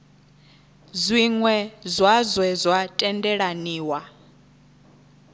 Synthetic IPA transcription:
zʷiŋwɛzwazwɛzwatʼɛndɛɺaniːwa

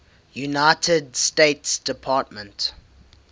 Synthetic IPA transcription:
junaɪtʰədsteɪtsd̥ɪpʰɑːˑt̚mə̃nt

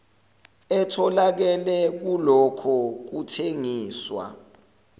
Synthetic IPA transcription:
ɛtʰɔlak̬ɛlɛk̬ulɔkʰɔk̬utʰeŋiːswa̰

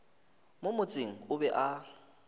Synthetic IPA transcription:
mʊmʊt͡sʼɪŋ̩ʊbɛʔa

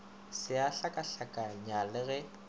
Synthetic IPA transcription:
sɪaɬakʼaɬakʼaɲalɪɣɛ

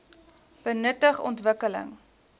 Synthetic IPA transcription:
b̥ənətəχɔ̰ntvəkələ̰ŋ

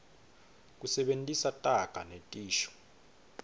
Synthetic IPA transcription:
k̬ʼusɛɓentʼisatʼaɡ̥ʱanetʼiːʃɔ̥

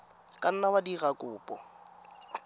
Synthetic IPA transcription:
kʼan̩nawadiɣakʼʊːpʼɔ

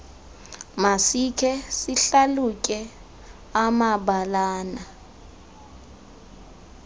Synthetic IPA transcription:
masikʰɛsiɬaluk̬ʼɛ | amaɓalaːna

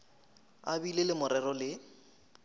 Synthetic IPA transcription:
a̰bilelɪmʊɾɛrɔlɪ

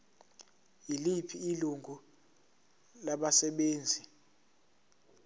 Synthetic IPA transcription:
ilipʰiːluŋɡʱu | laɓasɛɓeːnd͡zʱi

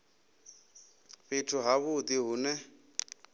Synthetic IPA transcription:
ɸɪtʰʊɦaβʊt̪iɦʊːnɛ

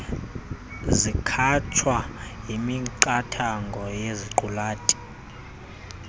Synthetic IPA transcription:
zikʰat͡ʃʰwajimiǃatʰaŋɡʱɔjeziǃulaːtʼi̥

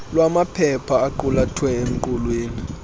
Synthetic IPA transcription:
lwamapʰɛpʰaːǃulatʰwɛem̩ǃulweːni

